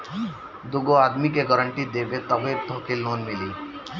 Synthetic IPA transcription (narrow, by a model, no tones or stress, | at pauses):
d̪ʊɡoaːd̪mikeɡəɾəɳʈid̪eːbet̪ɐbeːb̚t̪ʰɔːkiloːnmɪliː